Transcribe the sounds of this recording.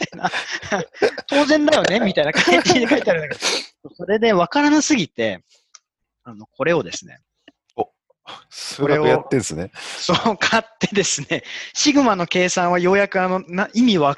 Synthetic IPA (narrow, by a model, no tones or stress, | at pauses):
t̪aina | t̪ʰo̞ːzẽ̞nd̪ajo̞ne̞mʲit̪ainakaiid̪ikait̪eaɾɯ̟nakesoːso̞ɾe̞d̪e̞βakaɾanasɨɡʲit̪e̞ | ano̞kʰo̞ɾe̞o̞d̪e̞sɨne̞̰ | o | sɨɾeojat̪ːẽ̞ñsɨnesokʰat̪ːe̞d̪e̞sɨne̞ɕiɡɯ̟mano̞ke̞ːsãɰ̃β̞ajo̞ːjakɯ̟ano̞naʔimʲiβa